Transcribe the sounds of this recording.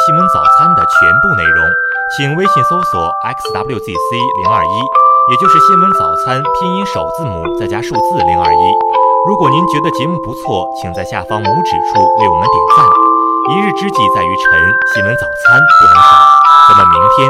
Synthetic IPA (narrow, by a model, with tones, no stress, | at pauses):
ɕi˥nwə˧˥nt͡sɑ˨˩ʊt͡sʰa˥nd̪ə˨t͡ɕʰɥɛ̰˧˥npu˥˧ne˥˩ɪɻʊ̰˧˥ŋ | t͡ɕʰi˨˩ŋwe˥ɪɕɛ˧˩ŋso˥ʊswɔ̰˨˩˦ɛ˥kst̪a˥bljt̪ḭ˥˩si˥lḭ˧˥ŋɐ̰˞˥˩i˥jɛ˨˩t͡ɕjʊʂɻ̩˥˩ɕi˥nwə˧˥nt͡sɑ˨˩ʊt͡sʰa˥np̪ʰjɛ˥ŋi˧˥ŋʂo˨˩ʊt͡sɹ̩˥˩mṵ˨˩t͡sa˥˩ɪt͡ɕja˥ʂu˥˧t͡sɹ̩˥˩li˧˥ŋɐ̰˞˥˩i˥ɻu˧˥kwɔ˨˩ni˧˥nt͡ɕɥɛ˧˥d̪ə˧t͡ɕi˧˥mu˧˥˩pu˧˥t͡sʰwɔ˥˩t͡ɕʰi˨˩ŋt͡sa˥˧ɪɕja̰˥˩fɑ˥ŋmu˧˥ʈ͡ʂɻ̩˨˩ʈ͡ʂʰu˥˧jo˨˧˩na˥˧˩t̪jḭ˨˩t͡sa˥˩ni˧˥ɻ̩˥˩ʈ͡ʂɻ̩˥t͡ɕi˧˥t͡sa˥˩ɪy˧˥ʈ͡ʂʰɤ˧˥ŋɕi˥wə˧˥nt͡sɑ˨˩ʊt͡sʰa˥npə˥˩ʂi˥˩ʈ͡ʂa˧˥nə˥˧˩mi˧˥ŋt̪ʰjɛ˥n